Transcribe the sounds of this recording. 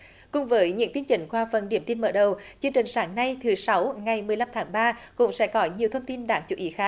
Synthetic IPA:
kʊ̰˧˥ŋ͡mvəː˨˦jɲɨ̰˧˥ŋt̪i˧ənt͡ɕï˨˩ŋ̟kwaː˧fə˨˩nɗḭ˧˩əmt̪i˧nməː˧˩ɗə˨˩wt͡ɕɨ˧əŋt͡ɕï˨˩ŋ̟saː˨˦ŋna˧jt̪ʰɨ˨˩˦sa˨˦wŋa˨˩jmɨ˨˩əjla˧mt̪ʰaː˨˦ŋɓaː˧kʊ̰˧˥ŋ͡msɛ̰˧˥kɔ˨˦ɲi˨˩əwt̪ʰə˧wŋ͡mt̪i˧nɗaː˨˦ŋt͡ɕṵ˧˦wʔi˨˦xaː˦˥k̚

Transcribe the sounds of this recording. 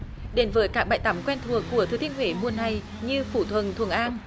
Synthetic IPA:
ɗe˨˦nvəː˨˦jkaː˦˥k̚ɓa̰ː˧˨jt̪aː˨˦mkwɛ˧nt̪ʰu˨˩əkːu˧˩ət̪ʰɨ˨˩t̪ï˧əŋhwe˧˩mu˨˧ənːa˨˩j | ɲɨ˧fu˧˩t̪ʰwə˨˩nt̪ʰwu˨˩əŋʔaː˧n

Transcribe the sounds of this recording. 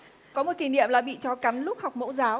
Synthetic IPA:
kɔ˨˦mo˨˩t̚ki˨˩nḭ˧˨əmlaː˨˩ɓḭ˧˨t͡ɕɔ˨˦ka˨˦jn̟lʊ˦˥k͡p̚ha˨˩wk͡p̚mo̰˧˥zaː˨˦w

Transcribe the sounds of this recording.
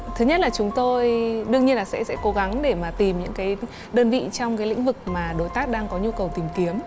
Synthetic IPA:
t̪ʰɨ˨˦ɲ̚˦˥laː˨˩t͡ɕʊ˨˦ŋ͡mt̪o˧jɗɨ˧əŋɲi˧ənlaː˨˩sɛ̰˧˥sɛ̰˧˥ko˨˦ɣa˨˦ŋɗe˧˩maː˨˩t̪i˨˩mɲɨ̰˧˥ŋkaː˨˦j | ɗəː˧nvḭ˧˨t͡ɕɔ˧wŋ͡mkaː˨˦jlḭ˧˥ŋ̟vɨ˨˩k̚maː˨˩ɗo˨˦jt̪aː˦˥k̚ɗaː˧ŋkɔ˨˦ɲu˧kə˨˩wt̪i˨˩mki˨˦əm

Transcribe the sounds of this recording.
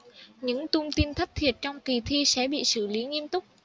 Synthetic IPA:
ɲɨ̰˧˥ŋt̪ʊ˧ŋ͡mt̪i˧nt̪ʰə˦˥k̚t̪ʰi˨˩ət̚t͡ɕɔ˧wŋ͡mki˨˩t̪ʰi˧sɛ̰˧˥ɓḭ˧˨sɨ̰˧˩li˨˦ŋi˧ənt̪ʊ˦˥k͡p̚

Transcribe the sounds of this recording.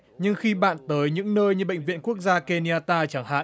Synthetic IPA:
ɲɨ˧ŋxi˧ɓa̰ː˧˨nt̪əː˨˦jɲɨ̰˧˥ŋnəː˧jɲɨ˧ɓə̰˧˨jŋ̟vḭ˧˨ənku˦˥ək̚zaː˧ke˧ni˧aː˧t̪aː˧t͡ɕa˧˩ŋha̰ː˧˨

